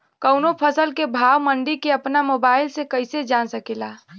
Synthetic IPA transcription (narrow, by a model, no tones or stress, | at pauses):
kəʊnopʰəsəlkebʱawməɳɖikeəpnamobaːɪlsekəɪsed͡ʒansəkela